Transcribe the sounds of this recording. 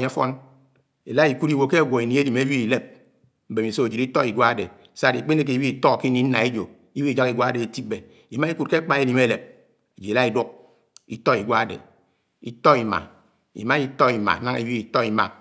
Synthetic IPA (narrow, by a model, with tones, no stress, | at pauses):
fɔ̰˦n | e˨la˦i˨ku˦ɾi˦wo˨ke˦ɡʷo˨i˨ni˨˦e˦li˨me˦wi˦i˨le˦p̚ | m̩˦be˨mi˨so˦e˨d͡ʒi˨ɾi˦tɔ˦i˨ɡʷa˦a˦de˨sa˦˨i˨k͡pe˦ne˦k̬e˨˦wi˦i˨tɔ˦˨ki˦ni˦n̩˦na˨e˦d͡ʒo˨ | i˦wi˦i˨d͡ʒa˦ki˨ɡʷa˦a˦de˨e˨ti˦b̚be˨ | i˨ma˦i˦ku˦t̚ke˦k͡pa˦e˦li˨me˦le˨p̚ | e˨d͡ʒe˨la˦i˨du˦k̚ | i˦tɔ˦i˨ɡʷa˦a˦dḛ˨ | i˦tɔ˦i˨ma̰˨ | ḭ˨ma˦i˦tɔ˦i˨ma̰˨˦na˦ŋe˨˦wi˦i˨tɔ˦i˨ma̰˨